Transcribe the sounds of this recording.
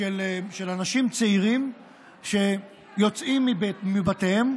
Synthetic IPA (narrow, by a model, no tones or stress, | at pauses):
eleʃelanaʃimt͡seiʁim | ʃe̞ | jo̞t͡simːibmibatehem